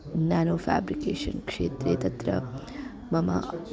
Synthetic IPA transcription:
naːnoːfæ̰ːbɾikeːʃə̰nkʂeːt̪ɾeːt̪ɐt̪ɾə̰ | mɐma̰

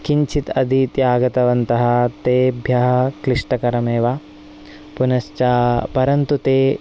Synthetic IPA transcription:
kiɲt͡ʃʰit̪ɐd̪ʱit̪jaːɡɐt̪ɐʋɐnt̪ɐɦɐ̆t̪eːbʱjɐɦɐ̆kɾiʂʈɐkɐɾɐmeːʋaː | punɐʃt͡ʃaːpɐɾɐnt̪ut̪eː

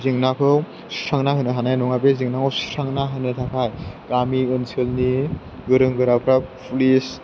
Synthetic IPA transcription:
ziŋnakʰɯw | saŋnahɯnɯɦanajnɔŋabeziŋnakʰɯwsɾaŋnaɦɯnɯtʰakʰajɡamiɯnsʰɯlni | ɡɯɾɯŋɡɯɾapʰɾapʰulis

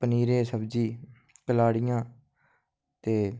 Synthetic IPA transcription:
pəniːɾẽːsəbd͡ʒiː | kəlaːɽɪjãː | t̪eː

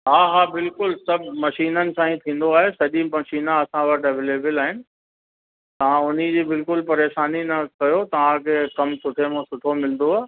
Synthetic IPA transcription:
ɦaːɦaːbɪlkʊlsɐbʱmɐʃiːnənɪ̆sãːĩt̪ʰĩːn̆d̪oaːɦesɐʄĩmɐʃiːnãɐsãʋɐʈʰɐʋeːleːbəlaːɦɪnɪ̆ | t̪ɐʋ̤ãʊn̤id͡ʑiːbɪlkʊlpɐɾeːʃaːninɐkɐjot̪ɐʋ̤ãkʰeːkɐmsʊʈʰemõsʊʈʰomɪlə̃nd̪oaː

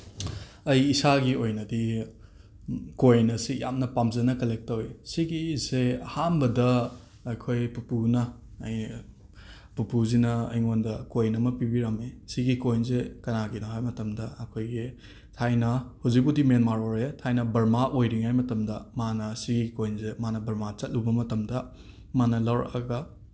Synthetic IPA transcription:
ɐjisaɡiojnɐdi | kojnɐsija̰mnɐpamzɐnɐkɐlek̚tɐwisiɡizehambɐdɐ | ɐjkʰojpupunɐ̰ːj | pupuzinɐɐ̰jŋondɐkojnɐmɐpibiɾɐmesiɡikojnzekɐnaɡinoɦajmɐtɐmdɐɐkʰojɡi | tʰajnɐhuzik̚pudimenmaɾoɾetʰajnɐbɐɾmaʔojɾiŋajmɐtɐmdɐmanɐsiɡikojnzemanɐbɐɾmat͡ʃɐt̚lubɐmɐtɐmdɐ | manɐlɐwɾɐ̰kɐɡɐ

